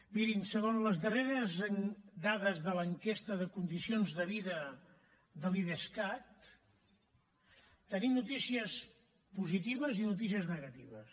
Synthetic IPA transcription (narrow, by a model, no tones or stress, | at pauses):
biɾinsəɣonləzðəreɾəzəŋd̪aðəzðələŋkest̪əðəkund̪isionzðəβiðə | ðəliðeskat̪ | t̪ːənimnut̪isiəs | puzit̪iβ̞əzinut̪̬is̬iəznəɣət̪iβəs